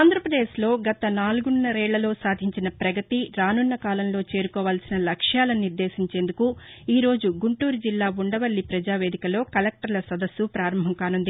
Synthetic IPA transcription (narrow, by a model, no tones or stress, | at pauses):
aːnd̪ɾɐpɾɐd̪e̞ːʃlo̞ːɡɐt̪ɐnaːluɡunːɐɾɛːɭːɐlo̞ːsaːd̪ʱiɲt͡ʃinɐpɾɐɡɐt̪iɾaːnunːɐkaːlɐmlo̞ːt͡ʃe̞ːɾukɔːʋaːlsinɐlɐkʂjaːlɐniɾd̪e̞ːsiɲt͡ʃe̞ːnd̪ukuiːɾo̞ːd͡ʒuɡuɳʈuːɾud͡ʒilːaːuɳɖɐʋɐlːipɾɐd͡ʒaːʋe̞ːd̪ikɐlo̞ːkɐlek̚ʈɐɾlɐsɐd̪ɐsːupɾaːɾɐmbʱɐmkaːnund̪i